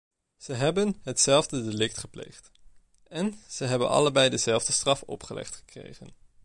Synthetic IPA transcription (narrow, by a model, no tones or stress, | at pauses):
z̥əɦɛbənɦətsɛlˠvdədelɪk̚tχəplḛjχt | ɛnz̥əɦɛbə̰nɑ̰ləbɛjdəzɛlˠvdəstrɑfɔ̰pχəlʔɛ̰χtχə̥krḛjχən